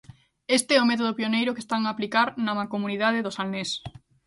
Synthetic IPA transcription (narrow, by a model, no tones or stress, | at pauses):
est̪eɛomɛt̪̬oð̞ʊpionejɾokest̪aŋaːplikaɾnamakomuniðaðeðosalnes